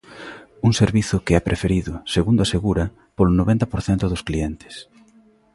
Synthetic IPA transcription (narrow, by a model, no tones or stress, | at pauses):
uŋseɾβiθʊkeapɾʔefeɾiðʊseɣund̪oaseɣuɾɐ | polʊnoβɛnt̪ɐpoɾθɛnt̪ʊðʊskliɛnt̪ɪ̥s